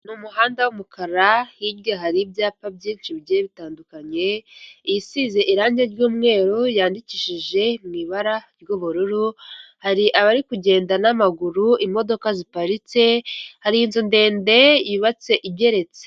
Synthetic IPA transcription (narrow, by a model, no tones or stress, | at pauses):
numuɦaːndawumukʰaɾahibɡaɦaɾibjaːpabɟiːnʃibɟeβitaːndukaɲe̞jisize̞ʔiɾaːɲɟeɾɟuːmŋe̞ːɾojaːndiciːʃiʒe̞mŋiːβaɾaɾjoβuɾuɾuhaɾiʔaβaɾikuɟe̞ːndanamaɡuɾuʔimo̞do̞kazipaɾit͡se̞haɾiinzonde̞ːnde̞jiβat͡se̞ʔibɟe̞ɾe̞t͡se